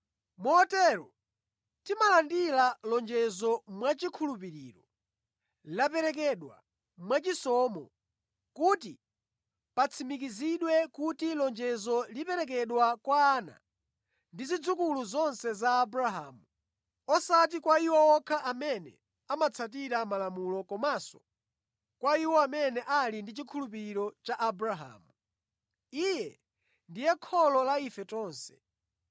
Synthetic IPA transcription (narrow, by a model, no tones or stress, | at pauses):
muɔtɛɾɔ | timalandilalɔnd͡ʒɛzɔmwat͡ʃikʰulupiɾḭːɾɔ | lapɛɾɛk̬ɛɗwa̰ | mwat͡ʃisɔmɔ̰ | kuti | pat͡sʰimik̬iziɗwɛkutilɔnd͡ʒɛzɔlipɛɾɛk̬ɛɗwakwaːna̰ | ndizid͡zukuluzɔnsɛzaːbuɾaɦa̰ːmu | ɔsat̬ikwaiwɔɔkʰaʔamɛnɛ̰ | amat͡sʰat̬iɾamalamulɔkɔmasɔ̥ | kwaiwɔamɛnɛʔalindit͡ʃikʰulupiɾiɾɔt͡ʃaʔabuɾaɦa̰ːmu | ijɛ | ndijɛkʰɔlɔlaifɛtɔːnsɛ̥